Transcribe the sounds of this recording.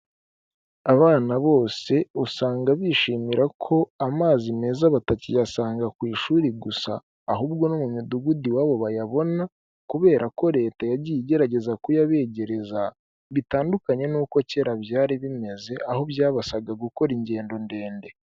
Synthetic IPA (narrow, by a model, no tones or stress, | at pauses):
aβaːnaβo̞ːse̞usaːŋɡaβiːʃiːmiɾʔakʰo̞amaːzime̞ːzaβatacijasaːŋɡakwiːʃuːɾiɡusa̰ː | ɦuːbɡo̞nomumuduɡudiwaːβo̞βajaβo̞na | kuβe̞ːɾʔako̞ɾe̞ːtajaɟijiɟe̞ɾaɟe̞zakujaβe̞ːɟe̞ɾe̞za | βitaːndukaɲe̞nuːko̞ce̞ɾaβjaːɾiβime̞ze̞ʔaho̞bjaːβasaɡaɡuko̞ɾiɲɟe̞ːndo̞nde̞ːnde̞